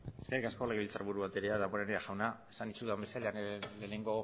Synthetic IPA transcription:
eskerikasko̞leɣeβilt͡saɾβuɾuβat̪eɾeaðamoɾeneaʝawnaesanit͡ʃuðambesealeanle̞ne̞ŋɡo̞

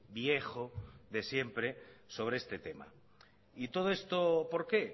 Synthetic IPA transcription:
bjexoðe̞sje̞mpɾeso̞β̞ɾeest̪et̪e̞ma̰ | it̪oð̞oest̪opoɾke

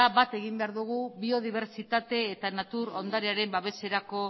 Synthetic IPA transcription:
aβat̪e̞ɣimbe̞aɾðuɣ̞uβio̞ðiβ̞e̞ɾt͡sit̪at̪e̞ːt̪anat̪uɾond̪aɾeaɾe̞mbaβe̞se̞ɾako̞

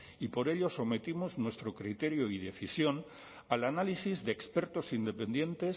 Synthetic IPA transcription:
ipo̞ɾe̞ʎo̞so̞me̞t̪imoznwe̞st̪ɾo̞kɾit̪e̞ɾjoiðe̞θisjo̞n | alanalisizðeekspe̞ɾt̪o̞sind̪e̞pe̞nd̪jẽ̞nt̪e̞s

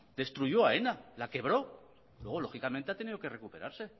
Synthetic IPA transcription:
d̪̥e̞st̪ɾuʝo̞aenalake̞β̞ɾo̞ | lwe̞ɣ̞o̞lo̞xikament̪e̞at̪e̞niðo̞ke̞re̞kupe̞ɾaɾse̞

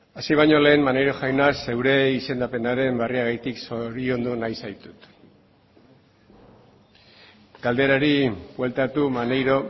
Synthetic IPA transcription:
asiβajɲo̞le̞ːmmanejɾo̞xajnase̞wɾe̞ise̞nd̪ape̞naɾe̞mbariaɣajt̪iksoɾio̞nd̪unajsajt̪u̥t̪ | ɡ̥ald̪e̞ɾaɾibwe̞lt̪at̪umanejɾo̞

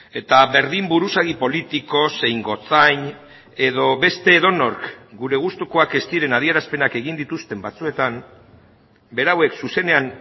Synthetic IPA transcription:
e̞t̪aβe̞ɾðimbuɾusaɣipo̞lit̪iko̞se̞jŋɡo̞t͡saɲ | e̞ðo̞βe̞st̪e̞ːðo̞no̞ɾkɡuɾe̞ɣ̞ust̪uko̞ake̞st̪iɾe̞nað̞ie̞ɾaspe̞nake̞ɣ̞ind̪it̪ust̪e̞mbat͡sue̞t̪am | be̞ɾawe̞ksuse̞ne̞an

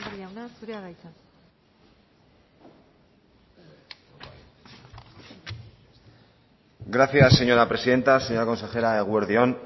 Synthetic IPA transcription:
aasuɾeaɣajt̪a | ɡɾaθjasːe̞ɲo̞ɾapɾe̞siðe̞nt̪aseɲo̞ɾako̞nse̞xe̞ɾaeɣ̞weɾðion

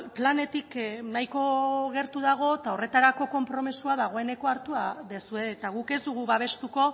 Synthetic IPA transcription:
plane̞t̪iknajko̞ɣ̞e̞ɾt̪uðaɣ̞o̞t̪ao̞re̞t̪aɾako̞ko̞mpɾo̞misuaðaɣ̞o̞e̞ne̞ko̞aɾt̪uaðesue̞ːt̪aɣ̞uke̞zd̪uɣ̞uβaβ̞e̞st̪uko̞

